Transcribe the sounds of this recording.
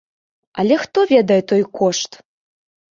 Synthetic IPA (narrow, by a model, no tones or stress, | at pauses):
ɐlʲɛxt̪ɔvʲɛd̪ɐjɛt̪ɔjkʰɔʂt̪